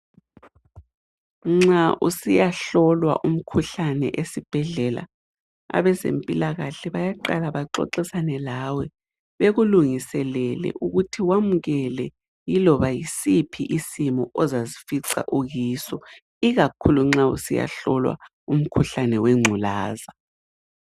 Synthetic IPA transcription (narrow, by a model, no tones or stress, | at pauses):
ŋ͡ǁaʔusijaɬɔlwa̰ʔum̩kʰuɬanɛ̰ʔesib̥ʱɛɮɛla̰ | a̰βɛzḛmpʼilaɣaɬɛβajaǃalaβaǁɔ̰ǁisanɛlawɛ | βeɣuluŋisɛlɛlɛ̰ʔuɣutʰiwamuɣɛlɛ | jilɔβajisipʰiʔisimɔʔɔzazifiǀa̰ʔuɣiːsɔ | iɣakʰuluŋ͡ǁaṵsija̰ɬɔlwa̰ | um̩kʰuɬanɛweŋ͡ǀʱula̰ːza